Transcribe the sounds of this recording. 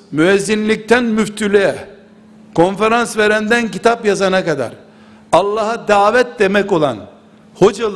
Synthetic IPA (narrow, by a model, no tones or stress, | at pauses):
myɛzːinlʲic̚t̪ʰænmyft̪ʰyleɛ | kʰo̞nfe̞ɾansveɾænd̪æncit̪ʰapjazanakad̪a̰ɾ | alˠːɑːɦad̪aːvɛt̪̚d̪emɛco̞lˠa̰n | ho̞d͡ʒalˠ